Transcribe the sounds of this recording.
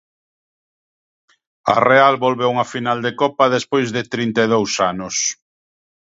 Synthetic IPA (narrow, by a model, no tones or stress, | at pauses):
ɐ̰realβolβewuŋɐfinald̪ekɔpɐðespojzðɪt̪ɾint̪eðowsanʊs